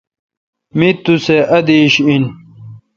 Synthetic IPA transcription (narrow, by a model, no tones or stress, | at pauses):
mit̪useʔɐd̪iɕin